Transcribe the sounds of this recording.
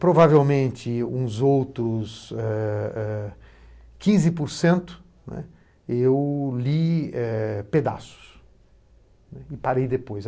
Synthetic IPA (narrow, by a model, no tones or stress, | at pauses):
pɾovavewmẽnt͡ʃ̪ɪũzowt̪ɾʊsɛɛ | kĩzɪpoɾsẽnt̪ʊ̥ | nɛ̰ | ewliɛped̪a̰sʊ̥s | nɛɪpaɾejd̪epojs